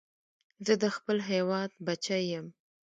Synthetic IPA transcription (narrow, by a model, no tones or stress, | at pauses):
zəd̪əxpəlɦewɑd̪̚bat͡ʃajəm